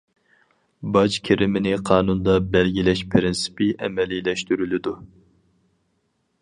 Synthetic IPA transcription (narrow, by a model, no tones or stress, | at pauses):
bɑd͡ʒkʲʰeɾɪmɪnɪqʰɑːnund̪ɑbɛlɡʲilɛʃpʰɾɪnsɪ̥pɪʔɛmɛlilɛʃt̪yɾylɪd̪u